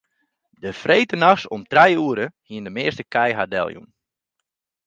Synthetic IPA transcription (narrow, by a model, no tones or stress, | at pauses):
dəfreːtənaxsɔmtrɛjuəɾəhiəndəmɪəstəkʰɛjɦadɛ̰lˠjṵm